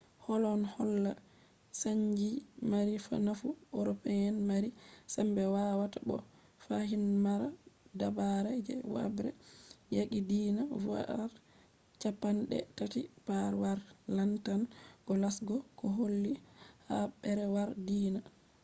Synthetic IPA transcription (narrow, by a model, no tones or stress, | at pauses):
hɔlɔnhɔlːa | saɲd͡ʒimaɾifa̰nafuoɾɔpɛɛnmaɾisambɛwawatabɔ̰ | fahinmaɾadabaɾɛd͡ʒɛ̰wa̰bɾɛ̰jaɡidiːnavua̰ɾ | t͡ʃapːanɗɛ̰tatipaɾwaɾlantanɡ̥ɔlasɡɔkɔɦolːihabɛɾɛwaɾdiːna